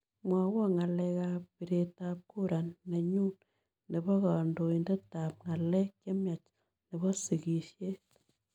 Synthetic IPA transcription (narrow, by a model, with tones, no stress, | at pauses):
mwa˨wɔ˦ŋa˨lɛ˧ka˦ppi˨ɾe˨tap̚ku˦ɾa˨nːa˨ɲu˦n | nɛ˨bɔ˦ka˨ndo˨indɛ˦ta˨p̚ŋa˨lɛ˦kjɛ˦mja˨t͡ʃ | nɛ˨bɔ˦si˨ki˨ʃje˦